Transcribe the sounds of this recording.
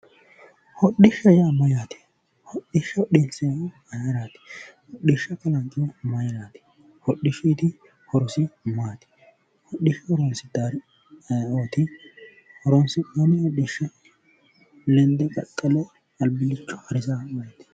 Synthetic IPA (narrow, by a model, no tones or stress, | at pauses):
hɔɗɪʃɐjamɐjaːt̪ɪ̥ | hɔɗɪʃɐɗensɛ | ɐjɐɾaːt̪ɪ̥hɔɗɪʃːɐkɐlɐŋkʼɪjmɐjɾaːt̪ɪ̥ | hɔɗɪʃiːt̪ɪ | hɔɾɔsɪmaːt̪ɪ̥ | hɔɗɪʃɐhɔɾɔnsɪd̪aːɾ | oːt̪ɪ | hɔɾɔnsɪɐnɪhɔɗɪʃːɐ | lɛnd̪ɛkʼɐ̰tʼːɐlɛ | ɐlbɪlɪt͡ʃːɔhɐɾɪzamɐjɐt̪ɪ̥